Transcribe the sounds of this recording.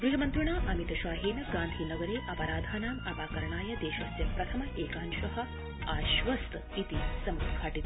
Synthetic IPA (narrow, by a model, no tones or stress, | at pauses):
ɡɾuɦɐmɐnt̪ɾuɳaːʔɐmit̪ɐʃaːɦiːnɐɡãːnd̪ʱiːnɐɡɐɾeːʔɐpɐɾaːd̪ʱaːnaːmɐpaːkɐɾɐɳaːjɐd̪eːʃɐsjɐmpɾɐt̪ʰɐmɐʔeːkaːnʃɐɦɐ̆ | aːʃʋɐst̪ | it̪isɐmɾud̪kʰaːʈit̪